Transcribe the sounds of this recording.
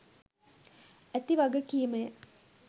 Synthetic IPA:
æt̪iʋaɡəkijəməjə

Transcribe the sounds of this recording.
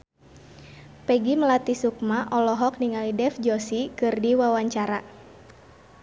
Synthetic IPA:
pɛɡiməlat̪isuk̚maʔɔlɔɦɔk̚niŋalidɛfd͡ʒɔsikɨrdiwawaɲt͡ʃaɾa

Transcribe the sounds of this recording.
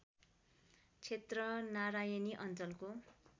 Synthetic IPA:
t͡sʰet̪rʌnaɾajʌniʔʌnt͡sʌlko

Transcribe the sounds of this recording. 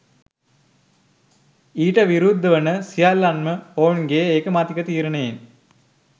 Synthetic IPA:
iːʈːɐʋiɾuːd̪ːɐʋɐnɐsijaːlːanmɐoːnɡeːeːkːɐmaːt̪ikːɐt̪iːɾɐɳeːn

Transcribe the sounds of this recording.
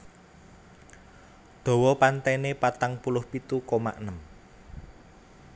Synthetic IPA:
ɖ̪̥ɔ̤wɔpant̪anepat̪aŋpulʊhpit̪ukoma̰ʔnəm

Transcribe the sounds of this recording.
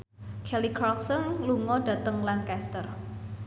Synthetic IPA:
kʰɛlikʰɾɔlksənluŋɔɖ̥ä̤t̪əŋlankɛst̪ər

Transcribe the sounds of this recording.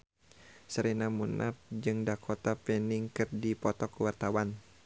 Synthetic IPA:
səɾinamunʔa̰p̚d͡ʒɨŋdakʰɔt̪apɛniŋkɨrdipɔt̪ɔkwart̪awan

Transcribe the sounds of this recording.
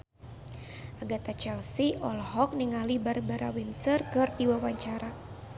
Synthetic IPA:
ʔaɡat̪at͡ʃɛlsiʔɔlɦɔk̚niŋalibarbaɾa̰winsərkɨrdiwawaɲt͡ʃaɾa

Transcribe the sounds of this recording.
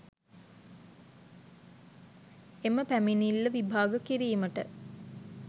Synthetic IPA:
eməpæminilːəʋibʱaːɡəkiɾiːməʈə̰

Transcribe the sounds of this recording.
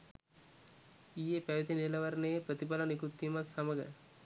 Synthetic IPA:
ijepæʋit̪enielɐʋaɾnejəpɾət̪ipalɐnikut̪ːimasaməɡə̰

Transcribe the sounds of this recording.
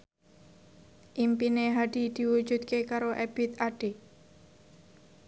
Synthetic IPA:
ʔimpineɦaɖ̥id̪̥i̤wu̥d͡ʒud̪kekaɾoʔɛb̥it̪aɖ̥e

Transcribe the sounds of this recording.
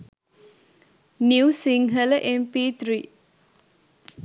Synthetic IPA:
niwsiŋɦəlʔempit̪ʰɾi

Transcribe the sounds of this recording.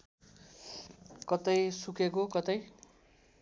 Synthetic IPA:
kʌt̪ʌjsukʰek̬okʌt̪ʌj

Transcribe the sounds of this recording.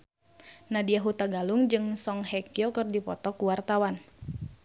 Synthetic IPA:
nadiaɦut̪aɡaluŋd͡ʒɨŋsɔŋɦɛkiɔkɨrdipɔ̰t̪ɔkuwart̪awan

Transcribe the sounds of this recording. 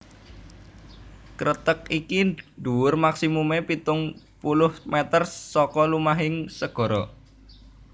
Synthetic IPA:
kɾʔət̪ək̚ikiɖuwʊrmaksimumepit̪ʊŋ | pulʊhmet̪ərsɔkɔlumaɦɪŋsəɡ̥ɔ̤ɾɔ

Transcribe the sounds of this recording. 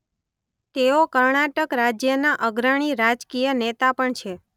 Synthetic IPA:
t̪eokəɾɳaʈəkɾad͡ʒjənaʔəɡɾəɽ̃iɾad͡ʒkijənet̪apəɳt͡ʃʰe

